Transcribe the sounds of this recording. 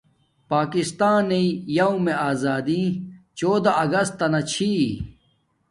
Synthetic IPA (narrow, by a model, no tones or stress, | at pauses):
paːkist̪aːneijɐũmeaːzaːd̪ĩt͡ɕoːd̪aɐɡɐst̪ːɐnɐt͡ɕʰi